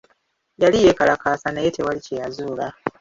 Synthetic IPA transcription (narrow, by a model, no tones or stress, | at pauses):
jalije̞kalakaːsanajete̞walicejazuːla